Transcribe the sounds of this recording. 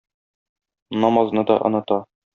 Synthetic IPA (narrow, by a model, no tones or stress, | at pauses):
nɒmɑznɤd̪ɒ̰ʔɤ̆nɤ̆t̪ɑ